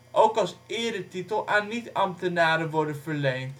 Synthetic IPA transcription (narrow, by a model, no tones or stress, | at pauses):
ʔowkɑlˠsɪːɹdətitəlˠʔaːnːitɑmtənaːɾənʋɔɹdənvəɹlejnt